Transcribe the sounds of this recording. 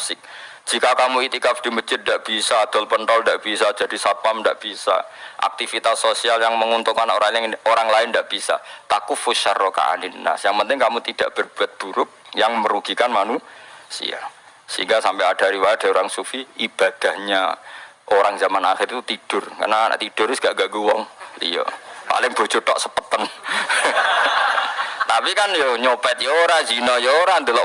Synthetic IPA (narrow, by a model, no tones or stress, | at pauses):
sɪk̚ | d͡ʒ̥ikakamuit̪ikafd̥i̤məd͡ʒɪt̪̚ndaʔb̥isad̪̥ɔlpənt̪ɔlndaʔb̥isad͡ʒadisapamndaʔb̥isa̰ʔa̰k̚t̪ifit̪asːosialjaŋməŋunt̪uŋkanoɾaŋloɾaŋlaɪndaʔb̥isa̰t̪akufusə̰roka̰ʔa̰ninːa̰sjaŋpənt̪ɪŋkamut̪id̥a̰ʔb̥ərb̥uat̪̚b̥uɾʊp̚jaŋməɾuɡ̥ikanmanusḭa̰ | səḭŋɡasampɛad̥aɾiwad̥a̤oɾaŋsufiib̥ad̥ahɲa̰ | ʔoɾaŋzamanaxɪrt̪ut̪id̥ʊrka̰rna̰t̪id̥ʊrʊsɡ̥aʔɡaɡuwɔŋlḭɔ̰ʔpa̰lɪŋb̥o̤t͡ʃot̪ɔ̰ʔsəpət̪ən | t̪apikanjoɲopɛt̪̚jooɾazinɔjooɾand̪əlɔ